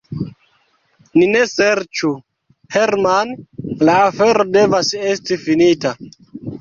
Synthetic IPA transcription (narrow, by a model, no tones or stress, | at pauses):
nine̞seɾt͡ʃu | heɾmanlaːfe̞ɾode̞vase̞stifinita